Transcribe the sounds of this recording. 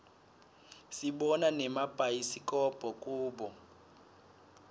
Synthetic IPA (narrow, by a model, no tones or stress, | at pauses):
siɓɔnanɛmab̥ʱajisikʼɔb̥ʱɔkʼuːɓɔ